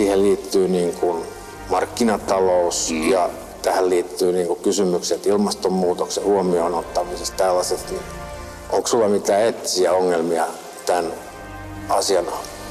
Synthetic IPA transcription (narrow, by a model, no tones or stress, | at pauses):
siːhelliːt̪ːyːniːŋkun | mɑrkːinɑt̪ɑlousjɑ | t̪æhælliːt̪ːyːniːŋkukkysymykset̪ilmɑst̪ommuːt̪oksehuomionot̪ːɑmisest̪t̪ælːɑsest̪ni | ʔoŋksulːɑmit̪æːet̪ːi̥siæoŋːelmiɑ | t̪æn | ɑsiɑnɑ